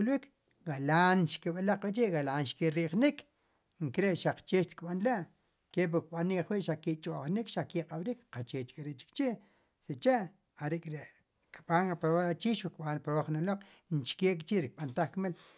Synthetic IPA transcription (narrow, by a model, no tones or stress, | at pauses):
ulwik | ɡalaːnʃkeɓalaq͡χqweʔt͡ʃiʔɣalaːnʃkeɾiʔχnik | ŋkɾeʔʃaq͡χt͡ʃeːʃt̪i̥kɓanlaʔ | kep̬uk̚ɓanikχwiʔʃakiʔt͡ʃʼoʔχnikʃakiqʼaɓɾikqat͡ʃeːt͡ʃkʼɾeʔt͡ʃi̥kt͡ʃiʔ | sit͡ʃeʔ | aɾekʼɾeʔ | kɓanapɾowaɾat͡ʃiʃukɓanpɾowaχnaloq͡χnt͡ʃkeːkʼt͡ʃiʔɾik̚ɓant̪aχkmel